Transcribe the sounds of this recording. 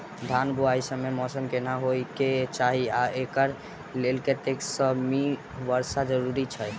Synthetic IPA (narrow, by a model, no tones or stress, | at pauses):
d̪ʱanbʱuaisəmːemɔsəmkenaɦojket͡ʃaɦiaekəɾ | lelket̪eksəmi | ʋəɾsad͡ʒəɾuɾit͡ʃʰə